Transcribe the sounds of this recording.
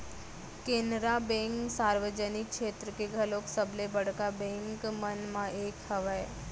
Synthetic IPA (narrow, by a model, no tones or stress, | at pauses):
kẽːnɾabɛ̃ːŋksaːɾʋəd͡ʒənɪk̚ʃeːt̪ɾəkeɡʱɐloːksəblebɐɽkabɛ̃ːŋkmənmãʔeːkhɐʋə